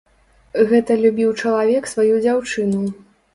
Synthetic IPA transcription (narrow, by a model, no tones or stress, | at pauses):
ɣɛt̪ɐlʲubʲiwt͡ʂɐlˠavʲɛksvajud͡zʲawt͡ʂɨnu